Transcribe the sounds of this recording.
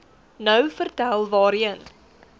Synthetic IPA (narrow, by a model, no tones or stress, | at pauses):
nœwfərtælˠvɑːɾən